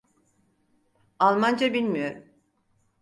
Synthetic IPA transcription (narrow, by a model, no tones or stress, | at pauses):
alˠmand͡ʒabilʲmijo̞ɾum